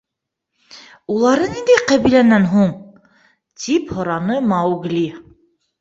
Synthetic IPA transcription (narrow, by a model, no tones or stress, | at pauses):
ulˠɑɾɤnind̪æjqæβilænænɦuɴ | t̪ʰiphŏɾɑnɤmɑuɡlʲi